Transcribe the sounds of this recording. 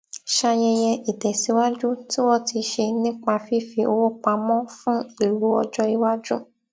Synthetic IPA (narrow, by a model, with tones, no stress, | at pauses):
ʃa˧jɛ˧j̃ɛ̃˧ʔi˨tɛ˨si˨˦wa˦d͡ʒu˦ti˦wɔ˦ti˧ʃe˧nĩ˦k͡pa˧fi˦fi˧o˧wo˦k͡pa˧mɔ̃˦fũ˦i˦˨ɾu˨˦ɔ˧d͡ʒɔ˦i˧wa˦d͡ʒũ˦